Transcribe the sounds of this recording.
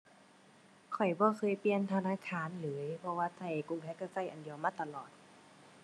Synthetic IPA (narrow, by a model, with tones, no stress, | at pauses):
kʰɔ˨˩jbɔː˧˦kʰɤː˧˥˨jpli˧ənt̪ʰa˧naː˧˥˨kʰaː˧˥˨nlɤː˨˦jpʰɔ˧waː˧sa˧˩jku˧˨ŋpʰɛː˧˥ka˧˩sa˧˩˨jʔa̰˨ndi˨˧˨əwmaː˧˥˨t̪a˧lɔː˨˩t̪̚